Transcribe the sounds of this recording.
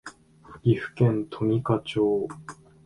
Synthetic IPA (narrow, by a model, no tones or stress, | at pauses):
iɸɯ̟̥kẽ̞nt̪ʰo̞mʲikat͡ɕoː